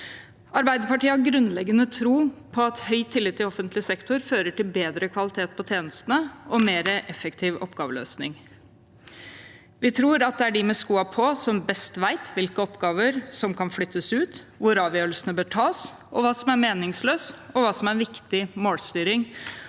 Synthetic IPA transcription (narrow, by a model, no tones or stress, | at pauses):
ɑɾbæɪd̪əpɑʈiːəhɑɾɡɾʉnlɛɡːənət̪ʰɾuːpʰɔɑt̪hœʏt̪ʰːɪlːɪt̪ʰːɪlɔfənt̪lɪsɛkt̪ʊɾføːɾəʈɪlbeːd̪ɾəkʰʋɑlɪt̪ʰeːt̪̚pʰɔt̪ʰeːnəst̪ənəɔmeːɾəʔɛfəkt̪ʰiːʋɔ̰pːɡ̥ɑːʋəlø̰ːsnɪ̰ŋ | ʋɪt̪ʰɾuːɾɑt̪̚d̪ɛæɖɪmɛskuːɑpʰɔsɔmbɛst̪ʋæɪt̪ʰʋɪlkəɔpɡɑːʋəɾsɔmkɑnflʏt̪ʰːəsʉːt̪ | ʋʊɾɑːʋjøːɾəlsənəbøːʈʰɑːs | ʔɔʋɑːsɔmæɾmeːnɪŋsløːsɔʋɑːsɔmæɾʋɪkt̪ɪmoːlst̪yːɾɪŋ